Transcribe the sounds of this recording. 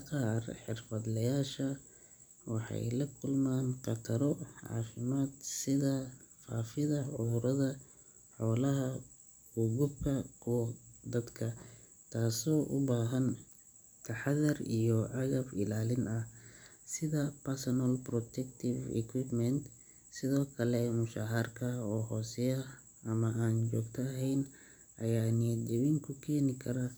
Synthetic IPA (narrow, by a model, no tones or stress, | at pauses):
qɑːrħɪrfɐd̪lɐjaːʃɐ | wɑħɑ̰jlɐkʰʊlmaːnqɑt̪ʰɐɾɔʕɑ̰ːfɪmaːd̪sɪðɐ | fa̰ːfɪðɐʕʊɾɐðɐ | ħɔːlɐɦɐ | hʊɣʊbkʰɐkʰʊwd̪ɐd̪kʰɐ | t̪ʰaːsɔːʔʊbaːɦɐn | t̪ʰɐħɑðɐrijɔʕɑɣɐfɪ̰laːlɪnɐh | sɪðɐpʰɐrsɐnɐlprɔt̪ʰɛkt̪ʰɪvɛ̰kʰwɪpmɛnt̪ | sɪðɔːkʰɐlɛmʊʃaːɦɐrkʰɐɔːɦɔːsɛjɐ | ɐmɐʔaːnt͡ʃɔːɡt̪ʰɐːɦɛjn | ʔɐjaːnɪjɐd͡ʒɐwɪŋkʰʊkʰɛːnɪkʰɐɾɐ